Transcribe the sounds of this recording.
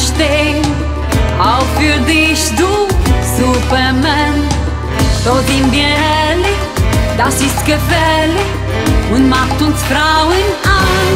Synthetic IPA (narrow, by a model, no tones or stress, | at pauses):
ʃt̪e | awfiɾðiʃd̪usupɛɾmɐ̃n | t̪oðĩmbiɛ | li | d̪asiskɐpɛli | ũnmat̪ũnsfɾawɨna